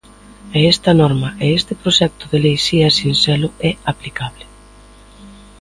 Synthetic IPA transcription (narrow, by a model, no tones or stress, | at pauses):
ɛɛst̪ɐnɔɾmɐʔeest̪ɪpɾoʃɛk̚t̪ʊðelejsiasinsɛlʊɛaplikaβlɪ